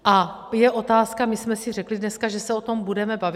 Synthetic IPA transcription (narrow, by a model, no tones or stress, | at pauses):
ʔa | jɛʔo̞t̪aːskamɪsmɛsirɛklidnɛskaʒɛsɛo̞t̪o̞mbudɛmɛbav